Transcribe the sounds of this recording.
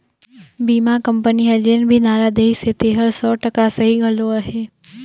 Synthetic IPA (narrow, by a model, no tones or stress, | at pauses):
biːmakəmpəniɐd͡ʒeːnbʱinaːɾad̪eiset̪eːɦəɾsɔːʈəkasəɦiɡʱɐloaːɦeː